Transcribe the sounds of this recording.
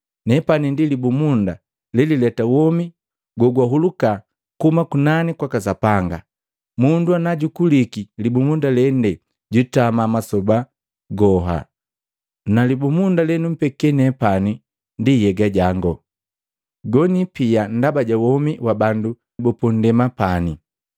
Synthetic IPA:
nɛpanindilibumunda | lɛlilɛtawɔmi | ɡɔɡwaɦuluka | kumakunanikwakasapaŋɡa | munduanaɟukulikilibumundalɛndɛ | ɟutamamasɔba | ɡɔɦa̰ | nalibumundalɛnum̩pɛkɛnɛpani | ndijɛɡaɟaŋɡɔ | ɡɔnipian̩dabaɟawɔmiwabandu | bɔpɔn̩dɛmapani

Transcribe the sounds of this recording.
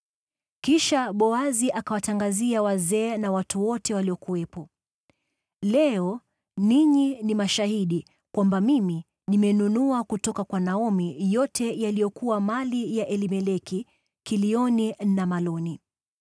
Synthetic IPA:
kiʃaɓɔaziʔakawataŋɡaziawazɛːnawatuwɔtɛwaliɔkuwɛpɔ | lɛɔ | niɲinimaʃahiɗi | kwambamimi | nimɛnunuakutɔkakwanaɔmijɔtʰɛjalijɔkuwamalijaʔɛlimɛlɛki | kiliɔninamalɔni

